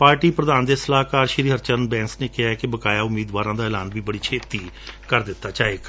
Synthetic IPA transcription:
paːɾʈiːpɾəd̪aːnd̪eːsəlaːɦkaːɾʃɾiːɦəɾt͡ʃənbɛ̃ːŋksneːkɪɦaːɛkɪbəkaːjaːʊmiːd̪ʋaːɾãːd̪aːɪlaːnbiːbəɽiːt͡ʃʰeːt̪iːkəɾd̪ɪt̪ːaːt͡ʃaːeːk

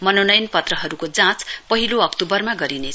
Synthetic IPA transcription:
mʌnonʌjnpʌt̪rʌɦʌɾukod͡zãt͡spʌɦiloʌkt̪ubʌrmaɡʌɾine

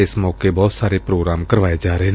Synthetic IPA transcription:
ɪsmɔːkebɔːt̪saːɾeːpɾoːɡɾaːmkəɾʋaːed͡ʒaːɾeɦeː

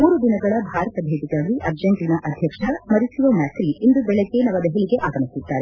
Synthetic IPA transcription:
uːɾud̪inɐɡɐɭɐbʱaːɾɐt̪ɐbʱeːt̪iɡaːɡiʔɐɾd͡ʒɐɳʈinɐʔɐd̪ʱjɐkʂɐmɐɾisiʋɐmaːt̪ɾiind̪ubɛɭeɡe̞nɐʋɐd̪ɛɦeliɡe̞ʔaːɡɐmisid̪ːaːɾe

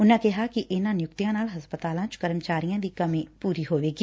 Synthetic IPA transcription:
ʊnẽkɛɦakiʔɪnãnjʊkt̪jãnaːlɦɐspət̪aːlãt͡ʃʊ̥kɐɾəmt͡ʃaːɾijãd̪ikɐmẽpuːɾiɦoːʋeːɡiː

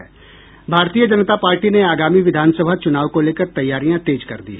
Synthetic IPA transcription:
ɛː | bʱaːɾt̪ijəd͡ʒənt̪apaːɾʈineaːɡaːmiʋɪd̪ʱaːnsəbʱat͡ʃʊnaːʋkoleːkəɾt̪ɐjːaːɾijãt̪eːd͡ʒkɐ̰ɾd̪ḭː

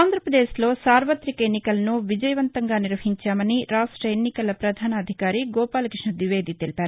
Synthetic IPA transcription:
aːnd̪ʱɾɐpɾɐd̪eːslo̞ːsaːɾʋɐt̪ɾikɐenːikɐlɐnuʋid͡ʒɐjɐʋɐnt̪ɐŋɡaːniɾʋɐɦiɲt͡ʃaːmɐniɾaːʂʈɾɐenːikɐlɐpɾɐd̪ʱaːnɐːd̪ʱikaːɾiɡɔːpaːlɐkɾiʂɳɐd̪ʋiʋe̞ːd̪it̪e̞lipaːɾu

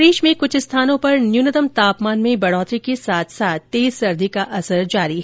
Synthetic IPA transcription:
ɾeːʃmẽkʊt͡ʃʰɪst̪ʰaːnõpɐɾnjuːnəd̪əmt̪aːpmaːnmẽbɐɽɔːt̪ɾikesaːt̪ʰsaːt̪̚ʰːeːzsɐɾd̪ʱikaʔɐsəɾd͡ʒaːɾi

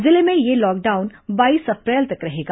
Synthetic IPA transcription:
zɪlemẽjelɔːk̚ɖaːʊnbaːiːsɐpɾɛːlt̪ɐkɾɐɦeːɡa

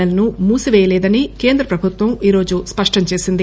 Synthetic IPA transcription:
ɐlɐnumuːsiʋɛːjɐlɛːd̪ɐnike̞ːnd̪ɾɐpɾɐbʱut̪ʋɐmiːɾo̞ːd͡ʒuspɐʂʈɐɲt͡ʃe̞ːsind̪i

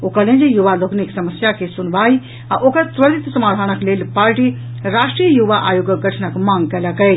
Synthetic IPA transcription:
okəlẽnd͡ʒijuʋaloːkniksɐməsjakesʊnʋaːi | ãʔokət̪ʋɐɾit̪sɐmaːɾɦaːñɐkʰleːlpaːɾʈi | ɾaːʃʈɾijəjuʋaʔaːjoɡəɡɐʈʰnɐkmãːŋɡkɐlakɐe

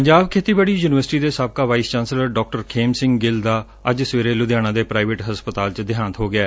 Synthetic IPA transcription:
pəɲd͡ʒaːbkʰeːt̪iːbaːɽiːjuːnɪʋəɾsʈiːd̪eːsaːb̚kaːʋaːiːst͡ʃãːnsləɾɖɔːk̚ʈəɾkʰeːmsɪ̃ŋɡɡɪld̪aː | əd͡ʒsəʋeːɾeːlʊd̪jaːnãːd̪eːpɾaːiʋeʈɦəspət̪aːlt͡ʃd̪ɪjaːnət̪ɦoːɡɪɛː

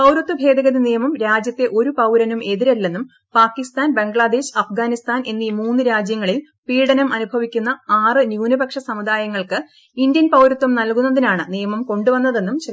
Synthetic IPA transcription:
pɐwɾut̪ːubʱe̞ːd̪ɐɣɐðinijɐmɐmɾaːd͡ʑjɐt̪ːe̞ʔo̞ɾupɐwɾɐnume̞ðiɾɐlːe̞nːum | paːkːist̪aːnbe̞ŋɡɭad̪e̞ːɕɐfɡaːnist̪ʰaːnʔe̞nːimuːnːɨɾaːd͡ʑjɐŋːɐɭil | piːɽɐnɐmʔɐnubʱɐʋikʲːunːɐaːrɨnjuːnubɐkʂɐsɐmud̪aːjɐŋːɐɭkɨ | ind̪jɐnpɐwɾut̪ːɐmnɐlkunːɐðinaːɳɨnijɐmɐmko̞ɳɖuʋɐnːɐðe̞nːumt͡ɕe

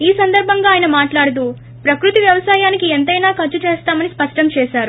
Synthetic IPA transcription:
iːsɐnd̪ɐɾbʱɐŋɡaːjɐnɐmaːʈlaːɽut̪̬u | pɾɐkɾut̪iʋjɐʋɐsaːjaːnikient̪ɐjnaːkɐt͡ʃːut͡ʃɛːst̪aːmɐnispɐʂʈɐmt͡ʃɛːʃaːɾu

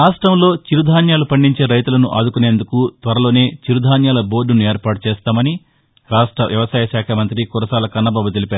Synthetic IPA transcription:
ɾaːʂʈɾɐmlo̞ːt͡ʃiɾud̪ʱaːnjaːlupɐɳɖiɲt͡ʃe̞ːɾɐjt̪ulɐnuʔaːd̪ukune̞ːnd̪ukut̪ʋɐɾɐlo̞ːne̞ːt͡ʃiɾud̪ʱaːnjaːlɐbo̞ːɾɖunueːɾpaːʈut͡ʃeːst̪aːmɐni | ɾaːʂʈɾɐ̰ʋjɐʋɐsaːjɐʃaːkʰɐmɐnt̪ɾikuɾɐsaːlɐkɐnːɐbaːbut̪̬e̞lipaːɾu

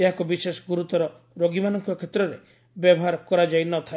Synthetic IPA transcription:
eɦakubisesɔɡuɾut̪ɔɾɔ | ɾoɡimanɔŋkɔkʰet̪ɾɔɾe | bjɔbɔɦaɾɔkɔɾad͡ʒajnɔt̪ʰae

